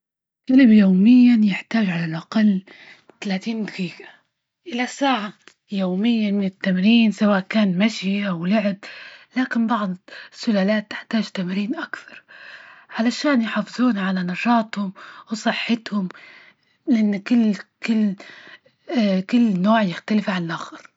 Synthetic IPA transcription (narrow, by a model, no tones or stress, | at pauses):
qalɪbjoːmɪjːanjɪħt̪aːʒʕalalʔɑqɑlː | t̪alaːt̪iːnd̪ɑqiːɡḁ | ʔɪlasaːʕa | joːmɪjːamɪnɪt̪ːamɾiːnsawaːʔkaːnmaʃjʔawlʊʕɪblaːkɪnbɑʕd̪ˤɪsːʊlaːlaːt̪ːɪ̥ħt̪aːʒt̪amɾiːnʔakθɑɾˤʕalaʃaːnjħɑfɨzˤuːnʕalanɑʃɑːt̪ˤhʊmwsˤɨħːɪt̪hʊm | lɪʔɪnːkɪlːkɪlː | kɪlːnoːʕjɪxt̪alɪfʕanlʔaxɑɾˤ